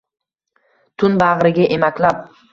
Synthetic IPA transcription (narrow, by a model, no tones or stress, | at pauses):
t̪ʰʊnbaʁɾɪɡʲaʔemakʲlap̚